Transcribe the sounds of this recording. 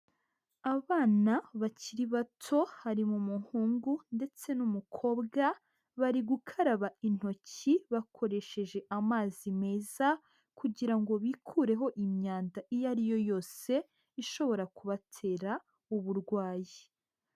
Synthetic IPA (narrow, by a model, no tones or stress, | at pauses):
aβaːnaβaciɾiβatʰo̞haɾimumuŋhuːŋɡunde̞t͡se̞numukʰo̞ːbɡa | βaɾiɡukʰaɾaβain̥ho̞ciβakʰo̞ɾe̞ʃe̞ʒe̞ʔamaːzime̞ːza | kuɟiɾaŋɡo̞βikʰuːɾe̞ɦo̞ʔimɲaːndaʔijaɾijo̞jo̞ːse̞ | iʃo̞βo̞ɾakuβatʰe̞ːɾa | uβuɾɡwaːji